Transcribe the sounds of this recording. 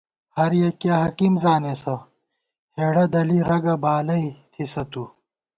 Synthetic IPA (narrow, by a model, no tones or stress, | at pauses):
hɐɾjekjaːɦɐkimzaːnesɐ | heːɽɐd̪ɐliɾɐɡɐbaːlɐit̪ʰisɐt̪u